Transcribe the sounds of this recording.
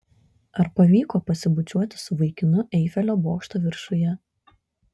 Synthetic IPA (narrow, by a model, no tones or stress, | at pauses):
ɐɾpɐʋʲiːkoːpɐsʲɪbʊt͡ʃʲuɔt̪ʲɪ̥sʊʋɐɪkʲɪnʊʔɛɪfʲɛlʲoːboːkʃt̪oːʋʲɪɾʃʊjɛ